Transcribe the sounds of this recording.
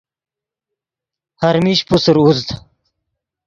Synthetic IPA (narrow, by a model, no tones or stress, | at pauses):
haɾmiɕpusɾuzd̪